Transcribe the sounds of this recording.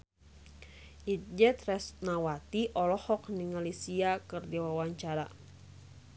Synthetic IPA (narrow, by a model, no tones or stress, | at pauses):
it̪̚d͡ʒɛt̪rɛsnawat̪iʔɔlɔhɔk̚niŋalisiakɨrdiwawaɲt͡ʃaɾa